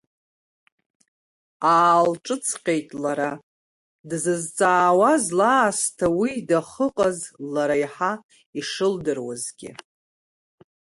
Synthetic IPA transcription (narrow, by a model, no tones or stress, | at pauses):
aːlʈ͡ʂʼɨt͡sʼʰqʲʼejtʼlaɾa | dzɨzt͡sʼaːwazlaːstʰawidaχəqʼazlaɾajħa | iʂɨldɨrwa̰zɡʲɪ̰